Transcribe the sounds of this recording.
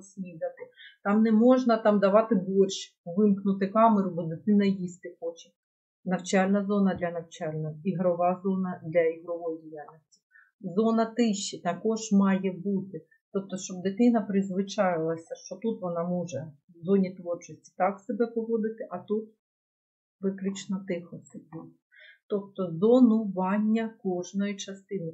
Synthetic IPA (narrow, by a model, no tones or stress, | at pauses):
sʲlʲid̪ɐt̪ɪt̪ɑmnɛmɔʒnɐt̪ɑmd̪ɐʋɑt̪ɪbɔrʲʃ | ʋɪmknʊt̪ɪkɑmeɾʊbɔd̪et̪ɪnɐjisʲt̪ɪxɔt͡ʃɐ | nɐwt͡ʃɑlʲnɐzɔnɐd̪lʲɐnɐwt͡ʃɑlʲnɔiɦɾɔʋɑzɔnɐd̪lʲɐiɦɾɔʋɔjɔdʲijalʲnɔsʲtʲi̥ | zɔnɐt̪ɪʃt͡ʃːit̪ɐkɔʒmɑjɛbut̪ɪ | t̪ɔp̚t̪ɔʃt͡ʃɔb̚d̪ɪt̪ɪnɐpɾɪzʋɪt͡ʃɑjɪlˠɐsʲɐʃt͡ʃɔt̪ut̪ʋɔnɑmuʒɛ | zɔnʲit̪ʋɔrt͡ʃɔsʲtʲi̥t̪ɑksebɛpɔʋɔd̪ɪt̪ɪʔɐt̪ut̪ | ʋɪklʲut͡ʃnɐt̪ɪxɔsʲɛbuj | t̪ɔp̚t̪ɔzɔnʊʋɑnʲːɐkɔʒnɔjit͡ʃɐst̪ɪnɪ